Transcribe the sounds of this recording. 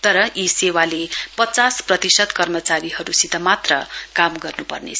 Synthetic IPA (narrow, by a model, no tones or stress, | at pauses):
t̪ʌɾʌʔisewalepʌt͡sasprʌt̪isʌd̪kʌrmʌt͡saɾihʌɾusit̪ʌmat̪rʌ̰kamɡʌrnupʌ̰rnḛ